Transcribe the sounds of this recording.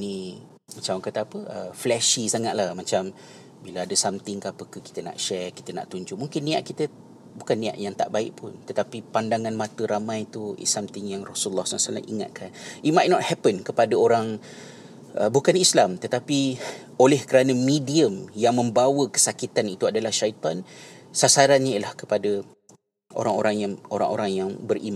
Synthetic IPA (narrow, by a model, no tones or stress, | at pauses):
ni | mat͡ʃamkət̪aːpəʔəflɛʃisaŋaʔ̪̚lahmat͡ʃam | bilaadəsamt̪ɪŋkapəkaki̥t̪əna̰ʔʃɛrki̥t̪əna̰ʔt̪uɲd͡ʒʊʔ̚muŋkɪnːĩa̰ʔkit̪ə | bukanːĩa̰ʔjaŋt̪a̰ʔbaɪ̰ʔpʊnt̪ət̪apipandaŋãnmãt̪əɾamãjt̪uḭsːamt̪ɪŋjaŋrɔsulːɔhsalasala̰mʔḭŋa̰t̪̚kʰanʔit̪̚majt̪̚nɔt̪̚hɛpənkəpadaoɾaŋ | ʔəbukanislamt̪ət̪api | olɛhkəɾanə̃mĩdiəmjaŋmə̃mbawəkə̥sakit̪anit̪uadalahʃait̪ansasaɾanɲaiəlahkə̥padə | o̰ɾaŋo̰ɾaŋjaŋoɾa̰ŋʔo̰ɾaŋjaŋbərim